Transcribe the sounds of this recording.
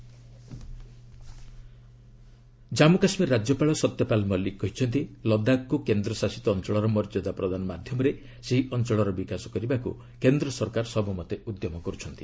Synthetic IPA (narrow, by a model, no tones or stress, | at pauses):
d͡ʒamukasmiɾːad͡ʒjɔpaɭɔsɔt̪jɔpalmɔlikːɔɦit͡ʃʰɔnt̪ilɔd̪akːukend̪ɾɔsasi̥t̪ɔːnt͡ʃɔɭɔɾɔmɔɾd͡ʒɔd̪apɾɔd̪anɔmad̪ʱjɔmɔɾe | seɦiʔɔnt͡ʃɔɭɔɾɔbikasɔ̥kɔɾibakṵ | kend̪ɾɔsɔɾkaɾsɔbumɔt̪eud̪jɔmɔkɔɾut͡ʃʰɔnt̪i